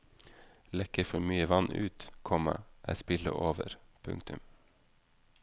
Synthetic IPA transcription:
lɛkəɾfɔɾmyːəʋɑnʔʉːt̪kʰɔmə̰ʔæ̰ːspɪlə̰ʔoːʋə̰ɾpʰʉŋkt̪ʉm

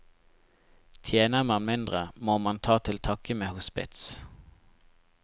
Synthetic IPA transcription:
t̪ʰjeːnəməmɪnd̪ʁəmoːmɑnt̪ʰɑːt̪ʰɪlt̪ʰɑkəmeːhʊspɪ̰t̪s

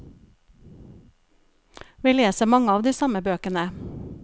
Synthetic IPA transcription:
ʋiːleːsəmɑŋəɑːʋd̪iːsɑməbøːkənə

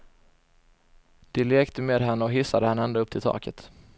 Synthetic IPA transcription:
d̪̥ɛleːkt̪əmeːd̪ɦɛnːəɔɦɪsːad̪əhɛnːəɛnd̪oːɵpːt̪ʰɪlt̪ʰɑ̰ːkət̪

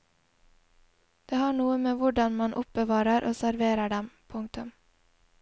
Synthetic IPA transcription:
d̪̥eːhɑːɳuːəmeːʋʊɖɑnmɑnʔʊp̚bəʋɑːɾəɾʔo̰ːsæɾʋeːɾəɖɛmpʰʊŋk̚t̪ʉm

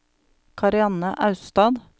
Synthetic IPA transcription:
kʰɑɾɪɑnəʔɑʉst̪ɑːd̪

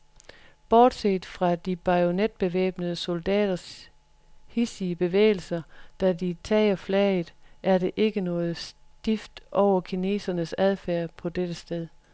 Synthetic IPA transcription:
b̥ɒːd̥seːd̥fʁɑ̈d̥ib̥ɑ̈ɪo̝ned̥̚b̥e̝ʋɛ̰ːb̥nəðˠəso̝ld̥ɛ̰ːd̥ɐs | hisiəb̥e̝ʋḛːɪl̩sɐd̥ædit͡sʰɛ̰ːɪɐflɛɪð̩ˠʔæɐɾe̝ʔe̝ɡ̥ənɔ̽ːð̩ˠsd̥ifd̥ʔɒʊ̰ɐkʰine̝̰ːsɐnəsæð̞ˠfæɐ̰pʰɒ̽d̥ed̥əsd̥eðˠ

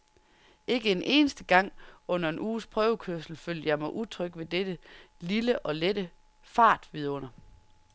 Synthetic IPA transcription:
ʔe̝ɡ̥əenʔe̝̰ːnəsd̥əɡ̥ɑ̈ŋ̰ɔ̽n̰ɐe̝nʔuːspʰʁœːʊkʰøɐsl̩føl̰jjɑ̈ɪmɑ̈ɪʔut͡sʰʁœɡ̥ʋe̝d̥ed̥əliləʔɒ̽led̥ə | fɑ̈ːd̥ʋiðˠɔ̽n̰ɐ

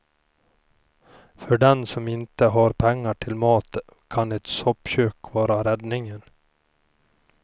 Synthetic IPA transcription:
fœɖɛnsɔmɪnt̪əɦɑɾpʰɛŋːaʈʰɪlmɑːt̪ | kʰɑnɛt̪sɔpɕøːkvɑːɾaɾɛd̪nɪŋən

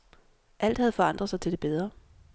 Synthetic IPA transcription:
ʔæl̰d̥hæð̞̩ˠfɒ̽ɑ̈n̰d̥ʁɐð̩ˠsɑ̈ɪt͡sʰe̝deb̥eð̞ˠʁɐ

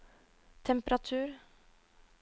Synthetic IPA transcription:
t̪ʰɛmpəɾɑt̪ʰʉːɾ

